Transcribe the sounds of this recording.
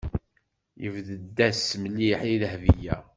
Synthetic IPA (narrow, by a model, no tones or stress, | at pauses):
jəvðəd̪ːæsməlːiħiðəhvijæ